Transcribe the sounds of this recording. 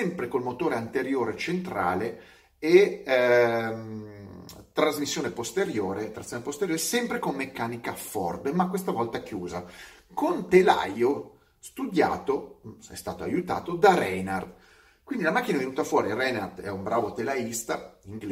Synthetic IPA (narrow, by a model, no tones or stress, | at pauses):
sɛmpɾekolmot̪oːɾeant̪eɾjoːɾet͡ʃent̪ɾa̰ːle | e | t̪ɾazmisːjoːnepost̪eɾjoːɾet̪ɾat̪sːjonepost̪eɾjoːɾesɛmpɾekomːekːaːnikafɔ̰rd̪makːwest̪avɔlt̪ak̟juːzakont̪ela̰jo | st̪ud̪ja̰ːt̪osɛ̰st̪a̰ːt̪oa̰jut̪a̰ːt̪od̪arɛnard̪ | kwind̪ilamak̟ːinaɛvenuːt̪afwɔːɾirɛnard̪ɛumbɾaːvot̪elaist̪aiŋɡl